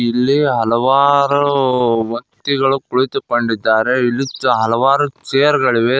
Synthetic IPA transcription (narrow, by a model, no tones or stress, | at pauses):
ilːiɦɐlɐʋaːɾuʋɐnt̪iɡɐɭukuɭit̪ukoɳɖid̪ːaːɾe̞ilːiɦɐlɐʋaːɾut͡ʃejɐɾɡɐɭiʋe